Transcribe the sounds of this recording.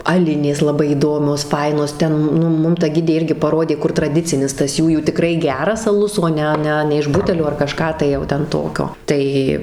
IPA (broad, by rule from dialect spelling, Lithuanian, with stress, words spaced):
ɐˈlʲɪnʲeːs lˠɐˈbɐɪ iːˈdoːmʲoːs ˈfɐɪnoːs ˈtʲɛn nʊ ˈmʊm tɐ ˈɡʲɪdʲeː ˈɪrʲɡʲɪ pɐˈroːdʲeː ˈkʊr trɐˈdʲɪt͡sʲɪnʲɪs tɐs ˈjuːjuː tʲɪˈkrɐɪ ˈɡʲæːrɐs ɐˈlˠʊs oː ˈnʲɛ ˈnʲɛ nʲɛ ɪʃ ˈbʊtʲɛlʲoː ɐr kɐˈʃkɑː tɐɪ jɛʊ ˈtʲɛn ˈtoːkʲoː ˈtɐɪ